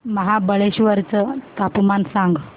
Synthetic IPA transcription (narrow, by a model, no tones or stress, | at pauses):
məɦabəɭeɕʋəɾt͡sət̪apmansãŋɡ